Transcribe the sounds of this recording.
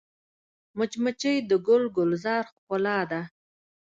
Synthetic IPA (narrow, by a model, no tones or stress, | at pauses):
mʊt͡ʃmət͡ʃəjd̪əɡʊlɡʊlzɑɾxkʊlɑd̪a